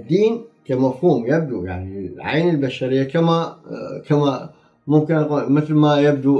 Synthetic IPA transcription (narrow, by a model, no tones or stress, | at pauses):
d̪ːiːnkamafhuːmjab̚d̪uja̰ʕniʕa̰jnɪlbaʃaɾɪjːakamakama | mʊmkɪnqumɪθlmajab̚d̪u